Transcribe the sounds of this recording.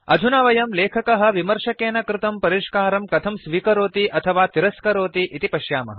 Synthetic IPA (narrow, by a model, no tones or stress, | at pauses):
ɐ̰d͡ʒ̪ʱunaːʋɐjɐmleːkʰɐkɐɦɐ̆ʋimɐɾʃɐkeːnɐkɾɪt̪ɐmpɐɾiʃkaːɾɐmkɐt̪ʰɐmsʋiːkɐɾoːt̪iʔɐt̪ʰɐʋaːt̪iɾɐskɐɾoːt̪iʔit̪ipɐʃjaːmɐ̰ɦɐ